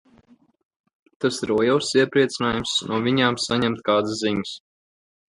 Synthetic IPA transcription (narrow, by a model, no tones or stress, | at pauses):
t̪asɾɔɔjawsiɛpɾiɛt̪sɨnaːjumsnʔuɔviɲaːmsaɲɛmt̪̚kaːd̪sziɲɨs